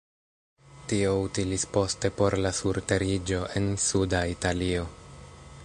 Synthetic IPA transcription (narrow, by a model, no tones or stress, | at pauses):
tio̞utilispo̞ste̞po̞ɾlasuɾte̞ɾid͡ʒo̞ʔe̞nsudaitalio̞